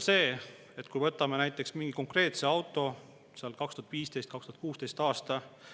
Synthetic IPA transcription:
se̞ː | e̞t̪ːkujvɤt̪ːˑɑmenæjt̪ːˑe̞ksmiŋɡ̥iko̞ŋkre̞ːt̪se̞ɑwt̪ːˑo̞ | seɑlkɑkst̪uhɑt̪viːst̪e̞jst̪kɑkst̪uhɑt̪̚kuːst̪e̞jst̪ɑːst̪ɑ

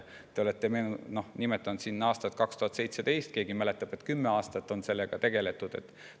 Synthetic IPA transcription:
t̪e̞o̞le̞t̪ːe̞meːnuno̞hnimet̪ːˑɑnud̪sinːɑɑːst̪ɑt̪̚kɑkst̪uhɑt̪se̞jt̪se̞d̪̥e̞jst̪̚ke̞ːɡimælet̪ːˑɑb̥e̞t̪kymːeɑːst̪ɑt̪ːˑo̞nse̞lːeɡ̥ɑt̪e̞ɡ̥e̞le̞t̪ːˑud̪̥e̞̰t̪ːˑ

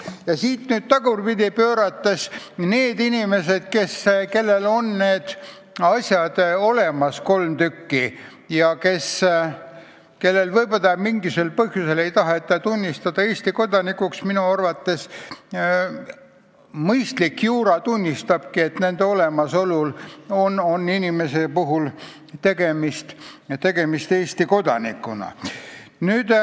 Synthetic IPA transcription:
jɑsiːt̪nyːd̪̥̚t̪ɑɡurpid̪ʲipø̞ːɾɑt̪ːesne̞ːd̪inʲime̞se̞d̪̥̚ke̞ske̞lːe̞lo̞nne̞ːd̪̥ | ɑsʲjɑd̪̥o̞le̞mɑsko̞lmt̪ykːi | jɑke̞s | ke̞lːe̞lvɤjbod̪ɑmiŋɡise̞lpɤɦjuse̞le̞jt̪ɑɦet̪ːˑɑt̪unʲːist̪ɑd̪̥ɑe̞ːsʲt̪iko̞d̪ɑnikˑuksminuɑrvɑt̪ːe̞s | mɤjst̪likjuːɾɑt̪unʲːist̪ɑb̥kie̞t̪ne̞nd̪eo̞le̞mɑso̞lulo̞no̞nːinʲime̞se̞puɦul | t̪e̞ɡ̥e̞mist̪t̪e̞ɡe̞mist̪eːst̪iko̞d̪̥ɑ̰nḭkːˑunɑ̰ | nyːd̪̥

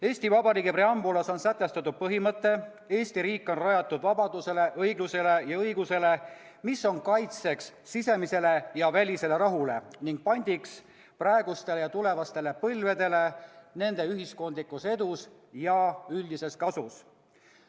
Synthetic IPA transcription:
e̞ːsʲt̪ivɑbɑɾiːɡepɾe̞ɑmbulɑso̞nsæt̪ˑːe̞st̪ɑt̪ːˑud̥̪̚pɤɦimɤt̪ːˑe̞ | e̞ːsʲt̪iɾiːkˑːo̞nrɑjɑt̪ːˑud̪̥vɑbɑd̪̥use̞le̞ʔɤjɡluse̞le̞jɑɤjɡuse̞le̞ | misːo̞nkɑjt̪se̞ksːise̞mise̞le̞jɑvælʲise̞le̞ɾɑɦule̞niŋɡ̥̚pɑnʲd̪̥iks | prɑe̞ɡ̥ust̪e̞lejɑt̪ule̞vɑst̪e̞le̞pɤlved̪e̞le̞ne̞nd̪̥e̞yɦisko̞nd̪likːˑuse̞d̪us | jɑylʲd̪ise̞skɑsus

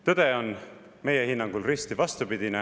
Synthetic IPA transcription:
t̪ɤd̪̥e̞o̞n | me̞jehinːɑŋɡ̥ulrist̪ivɑst̪upid̪ine

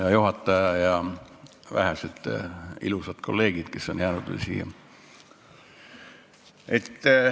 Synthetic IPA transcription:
jɑjuɦɑt̪ːˑɑjɑjɑ | væ̰ɦæset̪ːḭlusɑt̪kʰo̞̰lːe̞ːɡ̥id̪̥ke̞sːonjæːnud̪y̰sḭ | et̪ː

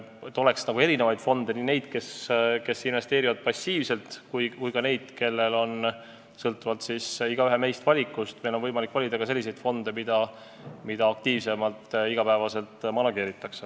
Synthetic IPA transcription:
et̪ːˑo̞le̞ksnɑɡ̥ueɾine̞vɑjd̪̥fo̞nd̪̥e̞nine̞jd̪̥ke̞ske̞sinve̞st̪e̞ːɾivɑd̪̥̚pɑsʲiːvse̞lt̪kujkujkɑne̞jd̪̥ke̞lːe̞lo̞n | sɤlt̪ːˑuvɑlt̪sisiɡ̥ɑyɦe̞me̞jst̪vɑlʲikːˑust̪me̞jlo̞nvɤjmɑlikːˑvɑlʲid̪ɑɡ̥ɑse̞lʲːisejd̪̥fo̞nd̪e̞mid̪̥ɑ | mid̪̥ɑːk̚t̪iːvse̞mɑlt̪iɡ̥ɑpæevɑse̞lt̪ˑmɑnɑɡe̞ːɾit̪ːˑɑkse

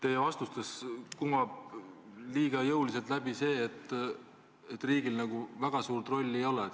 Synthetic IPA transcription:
t̪e̞jevɑst̪ust̪eskumɑb̥̚ | liːɡ̥ɑjɤwlise̞lt̪læb̥ise̞ːt̪ːˑ | et̪ːˑriːɡilnɑɡ̥uvæɡ̥ɑsuːrt̪ro̞lʲːe̞jo̞lɛ

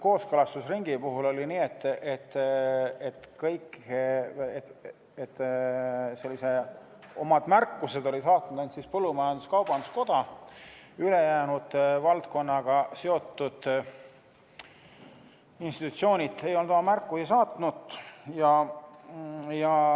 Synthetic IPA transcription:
ko̞ːskɤlɑst̪usriŋɡ̥ipuɦulo̞lʲiniːet̪ːʔet̪ː | et̪ːˑkɤjk | et | et̪ː | se̞lːise̞ | o̞̰mɑd̪̥mærkːˑuse̞d̪̥o̞lʲisɑːt̪nud̪̥ensispɤlːumɑjɑnd̪uskɑwb̥ɑnd̪usko̞d̪̥ɑ | yle̞jæːnud̪̥vɑlt̪ko̞nːɑɡ̥ɑseo̞t̪ːud̪̥ | inst̪it̪ut̪sio̞ːnʲit̪ːˑe̞jolnomɑmærkːˑuhisɑːt̪ˑnut̪jɑ | jɑ

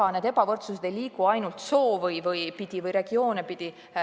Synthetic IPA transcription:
ɑne̞ːd̪ebɑvɤrt̪sus̬ed̪̥ejliːkuɑjnult̪so̞ːvɤjvɤjpid̪̥ʲivɤjɾe̞ɡ̥io̞ːnepid̪̥i

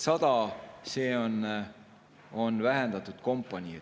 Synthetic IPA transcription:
sɑd̪̥ɑse̞ːon | o̞nvæɦɛnd̪̥ɑt̪ːˑud̪̥ko̞mpːˑɑnʲi

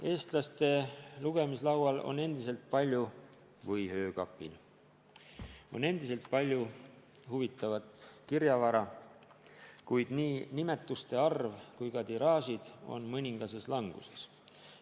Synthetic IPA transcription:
e̞ːst̪lɑst̪e̞luɡ̥e̞mislɑwɑlo̞̰ne̞nd̪̥ise̞lt̪̚pɑlʲju | vɤjhø̞ːkɑpːˑḭl | one̞nd̪̥ise̞lt̪̚pɑlʲju | huvit̪ːˑɑvɑt̪kiɾjɑvɑɾɑ | kujd̪̥niːnime̞t̪ˑːust̪e̞ɑrvkujkɑt̪iɾɑːsid̪̥o̞̰nmɤnʲiŋɡ̥ɑse̞slɑŋɡ̥use̞̥s

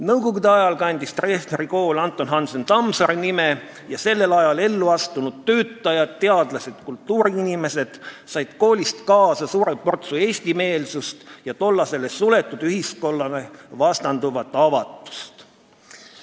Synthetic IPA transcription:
nɤwkoɡud̪eɑjɑlkɑnʲd̪̥ist̪reːsneɾiko̞ːlɑnt̪ːˑo̞nɦɑnsent̪ɑmsɑɾinime | jɑse̞lːe̞lɑjɑle̞lːuɑst̪unud̪̥̚t̪øːt̪ːˑɑjɑd̪t̪ːe̞ɑd̪̥lɑse̞d̪̥kult̪ːuːɾiinime̞se̞d̪̥sɑjd̪̥ko̞ːlʲist̪kɑːsɑsuːɾeppo̞rt̪sue̞ːsʲt̪ime̞ːlsust̪jɑt̪o̞lːɑse̞lːesule̞t̪ːˑud̪yɦisko̞lːɑnevɑst̪ɑnd̪̥uvɑt̪ːˑɑvɑt̪ːˑu̥st̪

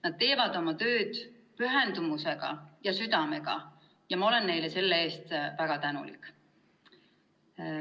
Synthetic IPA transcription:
nɑd̪̥̚t̪e̞ːvɑd̪̥o̞mɑt̪ø̞ːd̪̥ | pyɦend̪umuse̞ɡ̥ɑ̰jɑsyd̪̥ɑme̞ɡ̥ɑ̰ | jɑmɑo̞le̞nːe̞jlese̞lːee̞ːst̪væɡ̥ɑt̪ænṵlḭkːˑ

